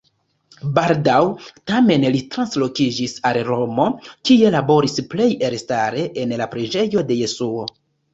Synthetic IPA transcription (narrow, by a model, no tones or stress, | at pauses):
baldawtame̞nlitɾanslo̞kid͡ʒisalɾo̞mo̞kie̞labo̞ɾisple̞je̞ɾstaɾe̞ʔenlapɾid͡ʒe̞jo̞de̞je̞suo̞